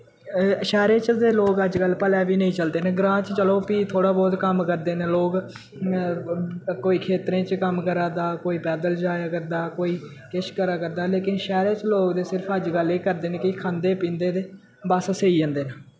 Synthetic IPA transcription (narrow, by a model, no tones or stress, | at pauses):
ʃɛːɾeːt͡ʃd̪eːloːɡəd͡ʒkəlpəlɛːʋiːnəĩːt͡ʃəld̪eːneːɡɾãːt͡ʃt͡ʃəloːpiːt̪ʰoːɽaːbɔːt̪kəmkəɾd̪eːneːloːɡ | koːiːkʰeːt̪ɾẽːt͡ʃkəmkəɾaːd̪aːkoːiːpɛːd̪əld͡ʒaːjaːkəɾd̪aːkoːiː | kɪʃkəɾaːkəɾd̪aːleːkɪnʃɛːɾeːt͡ʃloːkd̪eːsɪɾpʰəd͡ʒɡəleːkəɾd̪eːneːkɪkʰãːnd̪eːpĩːnd̪eːd̪eː | bəsseiːd͡ʒə̃ːnd̪eːnəː